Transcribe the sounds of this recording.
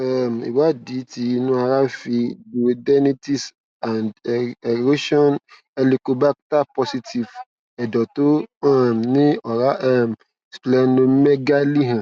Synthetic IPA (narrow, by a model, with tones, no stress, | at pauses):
ɛ˦˨m˨ḭ˨wa˦di˨˦ti˧˦˧nũ˦a˧ɾa˦fi˧bu˨dɛ˦ni˦ti˦s | a˨ndɛ˨ɾo˦ʃɔ˦n | ɛ˧li˨ko˨ba˦k̚ta˦pɔ˧si˧ti˨v | ɛ˨dɔ˨to˦ɛ˦mnĩ˦ɔ˨ɾa˦ʔɛ˦˨m˨ | splɛ˧nõ˧˦mɛ˦ɡa˦li˦ɦã˨